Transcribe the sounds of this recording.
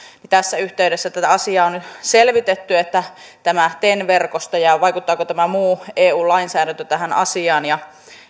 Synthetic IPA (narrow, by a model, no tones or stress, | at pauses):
nit̪æsːæyht̪eydesːæt̪æt̪æɑsiɑːonyt̪selʋit̪et̪ːyet̪ːæ | t̪æmæt̪enʋerkost̪ɑjɑʋɑikut̪ːɑːkot̪æmæmuːeːuːlɑinsæːɾænt̪øt̪æhænɑ̰siɑːnjɑ